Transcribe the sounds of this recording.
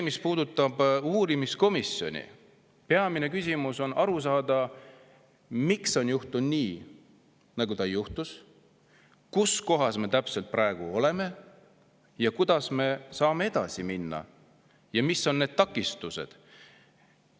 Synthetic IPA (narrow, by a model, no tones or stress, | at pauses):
emispuːd̪̥ut̪ːˑɑb̥uːɾimisko̞misjo̞̰nʲḭ | peɑmine̞kysʲimuso̞nʔɑɾusɑːd̪̥ɑ | mikso̞njuht̪unniː | nɑɡ̥ut̪ɑjuht̪us | kusko̞ɦɑsme̞t̪æpse̞lt̪̚pɾɑe̞ɡ̥uo̞le̞me̞ | jɑkud̪̥ɑsme̞sɑːme̞e̞d̪̥ɑsiminːɑ̰ | jɑmisːo̞nːe̞ːd̪̥̚t̪ɑkːˑist̪use̞̰d̪̥